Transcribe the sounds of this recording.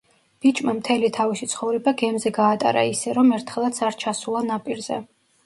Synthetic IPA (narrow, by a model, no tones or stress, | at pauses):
b̥it͡ʃʼmamt̪ʰɛlit̪ʰaviʃit̪sʰχɔvɾɛbaɡɛmzɛɡaːt̪ʼa̰ɾa̰isɛɾɔmɛɾt̪ʰχɛlˠat̪sʰaɾt͡ʃʰasulˠanapʼiɾzɛ̰